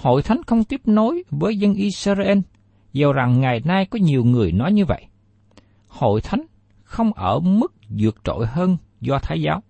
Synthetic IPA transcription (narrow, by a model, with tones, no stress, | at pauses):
ho̰˧˨jt̪ʰa˨˦jŋ̟xə˧wŋ͡mt̪i˦˥əp̚no˨˦jvəː˨˦jzə˧nʔi˧sə˧zʔe˧n | zə˨˩wza˨˩ŋːa˨˩jnaː˧jkɔ˨˦ɲi˨˩əwŋɨ˨˩əjnɔ˨˦jɲɨ˧və̰˧˨jʔ | ho̰˧˨jt̪ʰa˨˦jŋ̟ | xə˧wŋ͡mʔəː˧˩mɨ˦˥k̚zɨ˨˩ək̚t͡ɕo̰˧˨jhəː˧n | zɔ˧t̪ʰaː˨˦jzaː˨˦w